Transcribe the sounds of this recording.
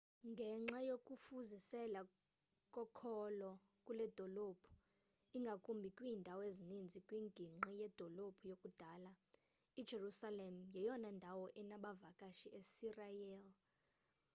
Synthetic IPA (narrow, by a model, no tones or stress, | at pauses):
ŋɡʱɛŋ͡ǁajokʼufuzisɛla | kʼɔkʰɔlɔ | kʼulɛd̥ʱɔlopʰu̥ | iŋɡʱakʼumbʱikʼwiːndʱawezinind͡zʱikʼwiŋɡʱiŋ͡ǃijɛd̥ʱɔlopʰujokʼud̥ʱaːla | id̥ʒ̥ʱerusalem̩jɛjɔnandʱawɔʔɛnaɓavakʼaʃiʔesirajɛl